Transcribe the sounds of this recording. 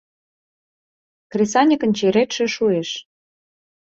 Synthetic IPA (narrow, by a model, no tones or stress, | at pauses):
krʲesɑnʲikə̆nt͡ɕeɾet̪ʃĕʃueʃ